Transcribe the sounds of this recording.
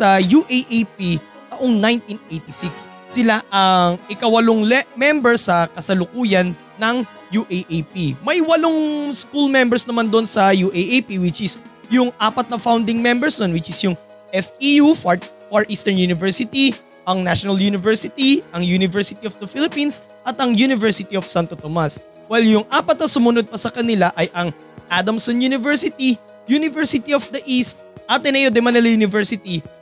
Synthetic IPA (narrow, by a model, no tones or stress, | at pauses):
sɐjuʔeʔejpi | nɐʔoŋnajnt̪inʔejt̪isɪksː | ɪlaʔɐŋʔɪkɐwɐloŋlɛmɛmbɛɹsɐkɐsɐlʊkuːjɐnːɐŋ | juʔejʔepimɐjwɐloŋskulmɛmbɛɹsnɐmand̪oʔonsɐjuʔeʔejpiwɪt͡ʃɪsjʊŋʔaːpɐt̪̚nɐfawnd̪ɪŋmɛmbɛɹsd̪onwɪt͡ʃɪsjʊŋ | ʔɛfijufɹ | fɐɹʔist̪ɛɹnjunɪvɛɹsɪt̪i | ʔɐŋnaʃonɐljuːnɪvɛɹsɪt̪iʔɐŋjuːnɪvɛɹsɪt̪iofd̪ɐfilɪpins | ʔɐt̪ɐŋjunɪvɛɹsɪt̪iofsant̪ot̪omɐs | wɛljʊŋʔaːpɐt̪̚nɐsʊmʊnod̪̚pɐsɐkɐnɪlaʔɐjʔɐŋ | ʔad̪ɐmsonjunɪvɛɹsɪt̪i | junɪvɛɹsɪt̪iofd̪ɐʔist̪̚ʔaːt̪ɛnɐjod̪ɛmɐnɛlɐjuːnɪvɛɹsɪt̪i